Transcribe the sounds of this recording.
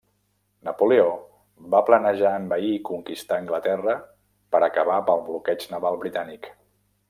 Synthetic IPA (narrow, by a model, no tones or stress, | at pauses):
nəpuleo | βaplənəʒaəmbəiːkuŋkist̪aːŋɡlət̪ɛrə | pəɾəkəβapəlˠβlukɛd͡ʒnəβalˠβɾit̪anik